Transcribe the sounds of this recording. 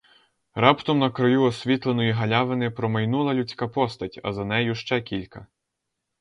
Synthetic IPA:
ɾɑpt̪ɔmnɐkɾɔjuɔsʲʋʲit̪lˠenɔjiɦɐlʲɑʋenɪpɾɔmɐjnulˠɐlʲut͡sʲkɑpɔst̪ɐtʲɐ̰zɐnɛjʊʃt͡ʃɛkʲilʲkɐ

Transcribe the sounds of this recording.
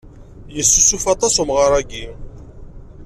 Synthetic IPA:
jəsːusufɑt̪ˤɑsumʁəɾˤæɡi

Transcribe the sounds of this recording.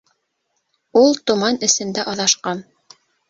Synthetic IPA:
ulˠt̪ŏmɑnɘ̆sɘ̆nd̪æʔɑðɑʃqɑn

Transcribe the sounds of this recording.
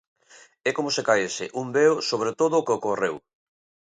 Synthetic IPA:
ɛkomosekaesɪʔumbeosoβ̞ɾet̪oðʊːkeokorew

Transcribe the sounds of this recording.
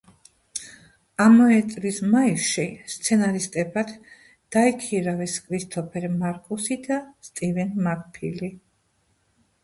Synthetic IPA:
amɔɛt̪ʼlismaiʃist̪sʰɛnaɾist̪ʼɛbad̪ | d̪̥aikʰiɾavɛskʰʼɾist̪ʰʼɔpʰɛɾmaɾkʼusid̪ast̪ʼivɛnmakʼpʰili

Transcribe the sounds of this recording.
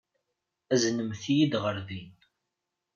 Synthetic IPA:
æznəmθijid̪ʁəɾðin

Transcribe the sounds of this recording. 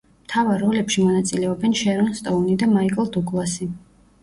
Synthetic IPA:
mt̪ʰavaɾːɔlɛpʃimɔnat̪sʼilɛɔbɛnʃɛɾɔnst̪ʼɔunid̪amaikʼlˠd̪ukʼlˠasi

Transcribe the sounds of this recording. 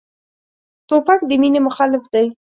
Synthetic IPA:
t̪opak̚d̪əminemʊxɑlɪfd̪aj

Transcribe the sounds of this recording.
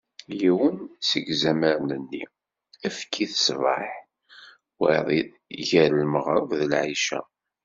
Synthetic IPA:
jiwənsəɡzæməɾnənːḭ | æfkʰːiθə̥svɑ̰ħ | wḭðˤ | ʝæɾəlməʁɾˤəvðəlʕiʃæ̰

